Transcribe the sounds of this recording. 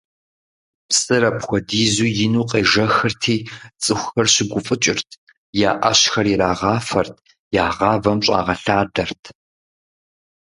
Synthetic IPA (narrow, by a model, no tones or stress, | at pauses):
psʼɨrɐpxʷɔdiːzuːjɪnuːqʼeːʒɐxɨrtʰiːt͡sʼɨxʷʊxɐrɕɪɡʷʊfʼɨt͡ʃʼɪrtʰ | jaːʔɐ̰ɕxɐriɾaːʁɑːfɐrtʰ | jaːʁɑːvɐmɕʼɑ̰ːʁɐɬaːdɐrtʰ